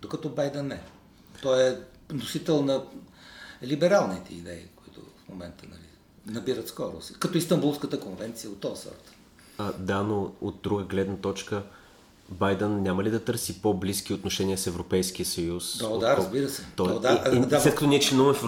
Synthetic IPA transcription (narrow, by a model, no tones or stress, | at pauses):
d̪okɐt̪ɔbajd̪ɛnːɛ | t̪ɔɛ | nosit̪ɛlˠnɐ | libɛɾalˠnit̪ɛ̰ḭd̪ɛḭkoit̪ʊ̰fmomɛnt̪ənɐ̰lḭ | nɐbiɾət̪skɔɾʊ̰sikɐt̪ɔist̪ɐmbulˠskət̪əkonvɛnt̪sijəot̪ːɔvsɔ̰ɾt̪ | ad̪anood̪̚d̪ɾuɡəɡlɛd̪nət̪ɔt͡ʃkə | bajd̪ənːʲaməlid̪ɐt̪ɤɾsipobliskʲiot̪noʃɛnʲiəsɛvɾopɛjsk̟ijəsəjusd̪ɔd̪aɾɐzbiɾəsɛt̪ɔd̪aaslɛt̪kɐt̪ɔniɛt͡ʃlɛnuvəmɛf